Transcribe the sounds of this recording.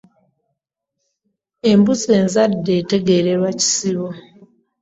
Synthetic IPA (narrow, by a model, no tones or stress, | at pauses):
e̞mbuze̞ːnzadːe̞te̞ɡe̞ɾeɾwaci̥siβo